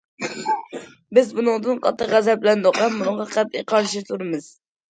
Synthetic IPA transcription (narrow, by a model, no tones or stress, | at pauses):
bɪzbunɨŋd̪ɨnqʰɑ̰t̪ʰːɨqʁæzɛp̚ɪlɛnd̪oqɑmːunɨŋʁɑqʰæp̚eqʰɑɾʃit̪ʰuɾɨmɨz̥